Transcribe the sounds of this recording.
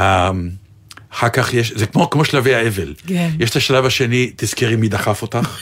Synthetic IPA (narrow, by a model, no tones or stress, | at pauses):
a | aχakaχjeʃzekmokmo̞ʃlavejhaevelkjeʃt̪aʃalavhaʃe̞nit̪iz̥kiʁimjid̪aχafo̞t̪aχ